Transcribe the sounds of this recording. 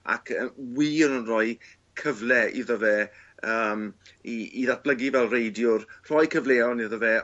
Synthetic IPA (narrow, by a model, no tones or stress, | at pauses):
a̰kʰəwiːənənrɔɨ | kʰəvlɛḭðəvɛəːmiiðat̚b̥ləɡivɛlˠrejdjʊrr̥ɔjkʰəvleːɔniðəvɛ